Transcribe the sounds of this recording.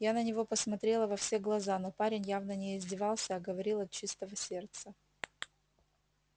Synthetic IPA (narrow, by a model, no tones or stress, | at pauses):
janənʲɪvo̞pəsmɐt̪ɾʲe̞lˠəvɐfsʲe̞ɡlˠɐzano̞paɾʲɪnʲjavnənʲɪɪzʲdʲɪvɑlˠsʲəɐɡəvɐɾʲilˠɐt̪̚t͡ɕist̪əvəsʲe̞rt̪sə